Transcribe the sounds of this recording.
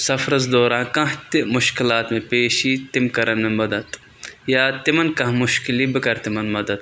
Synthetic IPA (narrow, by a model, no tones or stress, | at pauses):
sɐfɾɐzd̪oːɾãːnkɐ̃ɦt̪imʊʃkɪlaːt̪mẽpeːʃiːt̪ɪmkɐɾʔɐnmemɐd̪ɐt̪ | jaːt̪imɐnkɐ̃ɦmʊʃkiliːbɨkɐɾt̪imɐnmɐd̪ɐd̪